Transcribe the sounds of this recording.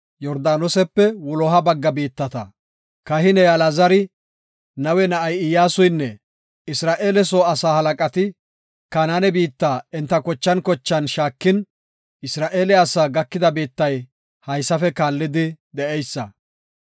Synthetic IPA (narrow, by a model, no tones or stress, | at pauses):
jɔɾd̪aːnɔsɛpːɛwʊlɔɦɐbɐɡːɐbiːt̪ːɐt̪ɐ | kɐhɪnɛjalazɐɾɪ | nɐwɛnɐʔɐjɪjaːsʊjnːɛ | ɪsɾaːʔeːlɛsoːɐsaːhɐlɐkʼɐt̪ɪ | kanaːnɛbiːt̪ːaːɪnt̪ːɐkɔt͡ʃːɐnkɔt͡ʃːɐnʃaːkːɪn | ɪsɾaːʔeːlɛɐsaːɡɐkːɪd̪ɐbiːt̪ːɐj | hɐjsːɐfɛkaːlːɪd̪ɪd̪ɛʔɛjsːɐ